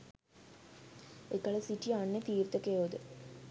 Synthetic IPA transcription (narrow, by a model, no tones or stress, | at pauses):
ekaləsiʈianːet̪iːɾt̪əkeod̪ə